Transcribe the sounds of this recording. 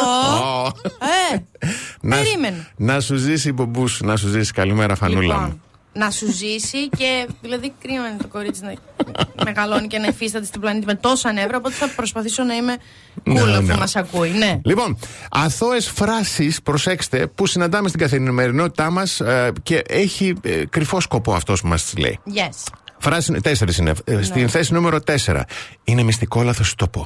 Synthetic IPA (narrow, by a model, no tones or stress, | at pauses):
o | e | nɐeɾimenonɐsuzisibo̞mbusunɐs̬uzisi̥kɐlimeɾɐfɐ̰lnulɐ̰ | nɐsuzisiceðilɐðikɾimenit̪o̞ko̞ɾit͡sinɐme̞ɣɐlonice̞nɐifist̪ɐt̪e̞st̪iblɐnit̪̬imet̪o̞soɐnevɾɐopo̞t̪eθɐpɾo̞spɐθiso̞nɐime | nulo̰mɐsɐkuinelipo̞nɐθo̞esfɾɐsispɾose̞kse̥t̪e̞pusinɐnd̪ɐmest̪iŋɡɐθiɾinime̞ɾino̞t̪i̥t̪ɐmɐsce̞ʔeçikɾifo̞sko̞po̞ɐft̪o̞spumɐst̪izlḛḭjesfɾɐsist̪eseɾisinḛst̪inθe̞sinume̞ɾo̞t̪e̞se̞ɾɐ̰ine̞mist̪iko̞lɐθost̪opo